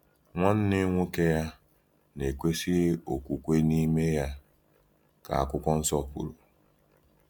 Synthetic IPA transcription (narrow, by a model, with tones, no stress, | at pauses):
ŋʷɔ˦n̩˦nɪ˦ŋʷu˦ke˦ja˦ | ne˨kʷe˦sɪ˦o˨kʷu˨kʷe˦ni˦me˦ja˦ | ka̰˨a̰˨kʷʊ˦kʷɔ˦n̩˦sɔ˦pṵ˨ɾu˨